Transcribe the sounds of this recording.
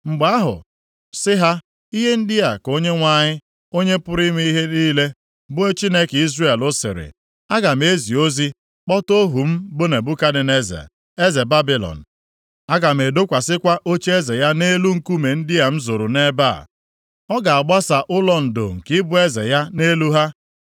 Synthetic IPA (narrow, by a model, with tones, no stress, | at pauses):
ŋ͡m̩˨ɡ͡ba˦ɦʊ̰˨ | sɪ˦ɦa˦ | i˦ɦe˦n̩˦dɪ˦a˨ko˦ɲe˦ŋʷa˦˨ɲɪ˦ | o˦ɲe˦pʊ˦ɾi˦mi˦i˦ɦe˦niː˦le˦ | bʊ˦e˦t͡ʃi˦ne˦ki˦zre˦˨lʊ˦sɪ̰˨ɾɪ̰˨ | a˦ɡa˨m̩˦e˦zi˨o˦zi˦ | k͡pɔ˦to˦ɦu˨m̩˦bʊ˦ne˨bʊ˦ka˦dɪ˨ne˦zḛ˨ | e˦ze˨ba˦bi˨lɔ̰˨n̩˨ | a˦ɡa˨m̩˨e˨do˦kʷa˨sɪ˦kʷa˦ʔo˦t͡ʃe˦e˦ze˨ja˦ne˦lu˦ŋ̩˨ku˦me˨n̩˦dɪ˦a˨m̩˦zo˨ɾʊ˨ne˦ba̰˦˨ | ɔ˦ɡa˨a˨ɡ͡ba˦sa˨ʔʊ˦lɔ˦n̩˨do̰˨ŋ̩˨kɪ˦bʊ˦e˦zḛ˨ja˦ne˦lu˦ɦa˦